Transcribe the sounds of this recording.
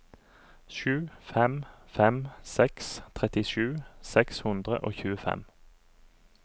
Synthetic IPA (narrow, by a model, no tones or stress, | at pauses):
ʃʉːfɛmfɛmsɛkst̪ʰʁɛt̪ɪʃʉːsɛkshʉnd̪ʁə̰ʔo̰ːçʉːəfɛ̰m